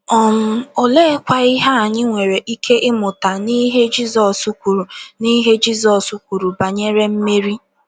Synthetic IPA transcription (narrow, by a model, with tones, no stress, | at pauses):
ɔ˨m̩˦o˨le˦kʷa˦i˦ɦa˦a˨ɲɪ˦ŋʷe˨ɾe˨ʔi˦kʰe˦ʔɪ˦mʊ˨ta˨ni˦ɦe˦d͡ʒi˦zɔ˨su˦kʷu˨ɾu˨ni˦ɦe˦d͡ʒi˦zɔ˨su˦kʷu˨ɾu˨ba˨ɲe˦ɾe˦m̩˦me˦ɾi˦